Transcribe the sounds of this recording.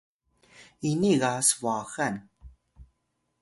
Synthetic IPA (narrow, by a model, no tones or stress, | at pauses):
iniɣasvɑxan